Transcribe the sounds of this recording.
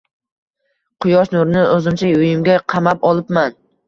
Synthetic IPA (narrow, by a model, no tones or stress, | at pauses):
qʰʊjɒʃnʊɾnɪʔɵzɪmt͡ʃʰajʊjɪmɡʲaqʰɑmapɒlˠɪpman